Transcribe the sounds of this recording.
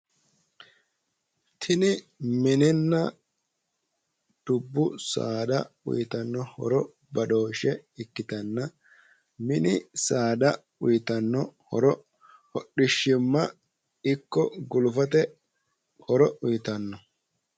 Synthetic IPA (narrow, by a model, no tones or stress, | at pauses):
t̪ʰɪnɪ | mɪnɪnːɐ | d̪̥ʊbːʊsa̰ːd̪ɐʊ̰jɪt̪ɐnːɔhɔ̰ɾɔ | bɐɗo̞ːʃɛɪkːɪt̪ɐnːɐ | mɪnɪsaːd̪ɐ | ʊjɪt̪ɐnːɔhɔ̰ɾɔ | hɔɗɪʃːɪmːɐ | ɪkːɔɡʊlʊfɐt̪ɛ | hɔɾɔʊjɪt̪ɐnːɔ